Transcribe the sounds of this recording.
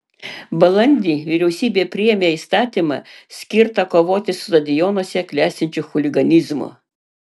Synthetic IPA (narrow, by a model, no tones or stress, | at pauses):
bɐlˠɐnʲd̪ʲiːʋʲɪɾʲɛʊsʲiːbʲeːpʲɾʲɪjɛmʲeːiːst̪ɑːt̪ʲimɐ̰sʲkʲɪɾt̪ɐkoːʋoːt̪ʲɪsʊt̪ɐd̪ʲɪjɔnuɔsʲɛklʲæːsʲt̪ʲɪnʲt͡ʃʲuxʊlʲɪɡɐnʲɪzmo̰